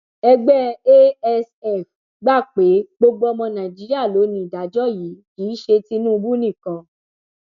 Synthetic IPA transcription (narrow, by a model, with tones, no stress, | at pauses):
ɛ˧ɡ͡bɛ˦e˦ɛ˧sɛ˦˨f | ɡ͡ba˦˨k͡pe˨˦ɡ͡bo˧ɡ͡bo˦ɔ˧mɔ̃˧nã˨d͡ʒi˨˦ɾi˦a˦˨lo˨˦nĩ˧˨da˨˦d͡ʒɔ˦˨ji˨˦kiː˨˦ʃe˧ti˧nũ˦u˧bu˦nĩ˦˨kã˧